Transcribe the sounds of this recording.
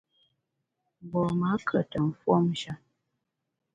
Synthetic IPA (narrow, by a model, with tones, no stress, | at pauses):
bɔ˨ma˨˦kʰə˨tə˨m̩˨fwɔ˦m̩˦ʃa˦